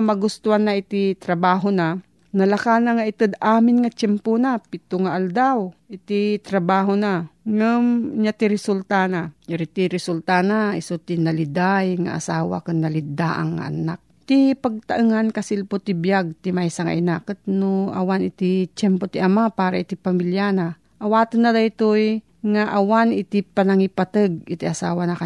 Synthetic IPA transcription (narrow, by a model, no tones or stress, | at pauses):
mɐɡʊst̪ʊanːaʔɪt̪it̪ɾɐbaːɦona | nɐlɐkanɐŋaʔɪt̪ɨd̪aːmɪnŋɐt͡ʃɛmponapɪt̪ʊŋaʔɐld̪awʔɪt̪it̪ɾɐbaːɦonaŋɨmɲat̪iɾɛsult̪anaɾɪt̪iɾɛsult̪anaɪsot̪ɪnɐlɪd̪ajŋa̰ʔa̰saːwa̰kɨnːɐlɪd̪aʔa̰ŋːa̰ʔɐ̰nak̚t̪ipɐɡ̚t̪aʔɨŋankɐsɪlpot̪ɪbjaɡ̚t̪ɪmajsaŋa̰ʔɪnakɨt̪̚noʔa̰wanɪt̪ɪt͡ʃɛmpot̪iʔɐmapaːɾaʔit̪ipamiljana | ʔɐwaːt̪ɨnːad̪ajt̪oj | ŋaʔɐwanɪt̪ipɐnɐŋipat̪əɡ̚ɪt̪iʔasa̰ːwanaka